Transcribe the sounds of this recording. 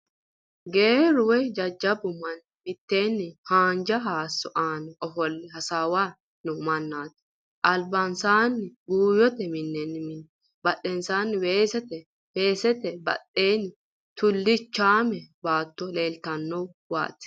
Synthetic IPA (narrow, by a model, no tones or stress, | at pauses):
ɡeːɾʊwɛd͡ʒɐd͡ʒːɐbʊmɐn | mɪt̪ːe̞ːnːɪhaːnd͡ʒɐɦaːsːɔʔaːnɛɔfɔlːɪhɐsaːwaː | nʊmɐnːaːt̪ɪ̥ | ʔɐlbɐnsaːnːɪɡuːjɔt̪ɛmɪnːɛnːɪmɪnːɛ | bɐɗɛnsaːnːɪweːsɛt̪ɛ | weːsɛt̪ɛbɐ̰ɗːeːnɪ | t̪ʊlːɪt͡ʃːaːmɛbaːt̪ːɔle̞ːlt̪ɐnːɔw | wa̰ːt̪ɪ̥